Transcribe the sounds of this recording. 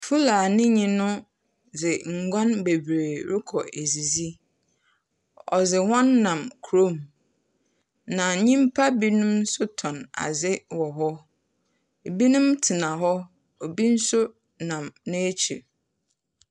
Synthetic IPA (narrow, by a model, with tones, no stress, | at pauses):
fu˦laː˨nɪ̃˦ɲĩ˨nʊ̃˦ | d͡zɪ˨ŋ̩˨ɡʷã˦nbe˨bɾe˨ɾɪ˦kʰɔ˨ʔe˨zi˨zi˦ | ɔ̰˨zɪ˨hɔ̃˦nːã˨mkʰu˨ɾo˦˨m | nã˨ɲĩ˦m˦pʰa˦bi˦nʊ̃˦m̩˦sʊ˦tʰɔ̃˨na̰˨zɪ˦wɔ˨ɦɔ˦˨ | bi˦nʊ̃˦mtʰɪ˨nã˨ɦɔ˦ | o˨bi˦n̩˦sʊ˦ | nã˨mnɪ̃˦e˦t͡ɕʰi˨